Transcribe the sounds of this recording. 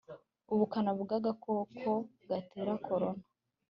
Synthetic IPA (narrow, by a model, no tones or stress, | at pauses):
uβukanaβuɡaɡakokʰo | ɡateɾakʰo̞ɾo̞na